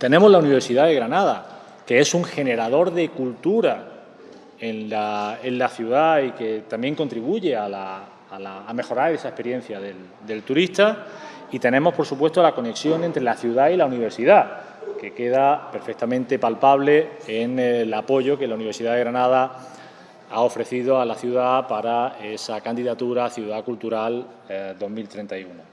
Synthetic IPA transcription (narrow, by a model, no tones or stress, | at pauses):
t̪e̞nẽ̞mo̞zlauniβ̞e̞ɾsiðaðe̞ɣɾanað̞a | kee̞suŋxe̞ne̞ɾaðo̞ɾðe̞kult̪uɾa | enlae̞nlaθjuðaike̞t̪ambje̞ŋko̞nt̪ɾiβuʝe̞alaː | laːme̞xo̞ɾaɾe̞sae̞hpe̞ɾjẽ̞n̟θjaðe̞l | d̪e̞lt̪uɾist̪a | it̪e̞nẽ̞mo̞hpo̞ɾsupwest̪olako̞ne̞ksjo̞ŋent̪ɾe̞laθjuðailauniβ̞e̞ɾsiða | ke̞ke̞ðape̞ɾfe̞k̚t̪amẽnt̪e̞palpaβ̞le̞eŋlapo̞ʝo̞ke̞launiβ̞e̞ɾsiðaðeɣɾanað̞a | ao̞fɾe̞θiðo̞alaθjuðapaɾaesakand̪iðat̪uɾaθjuðakult̪uɾal | d̪o̞ɦmilt̪ɾe̞nt̪ajuno